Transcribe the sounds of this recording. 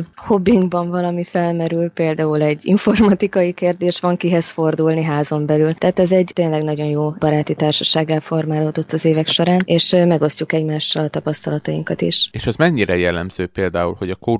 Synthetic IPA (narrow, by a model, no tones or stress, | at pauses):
ho̞biŋɡbɒɱvɒlɒmifɛlmɛɾylpeːld̪aːulɛɟːḭɱfo̞rmɒt̪ikɒjikeːrd̪eːʃʋɒŋkiɦɛsfo̞rd̪ulniɦaːzo̞mbɛlylt̪aːt̪ɛzɛɟt̪eːnlɛɡnɒɟo̞njoːb̥ɒɾaːt̪it̪aːrʃɒʃaːɡːaːlfo̞rmaːloːd̪o̞t̪ːɒzeːvɛkʃo̞ɾaːneːʃmɛɡo̞scukɛɟmaːʃːɒlɒt̪ɒpɒst̪ɒlɒt̪ɒiŋkɒt̪ḭʃeːʃɛzmɛɲːiɾɛjɛlːɛmz̥øːpeːld̪aːṵlho̞ɟɒko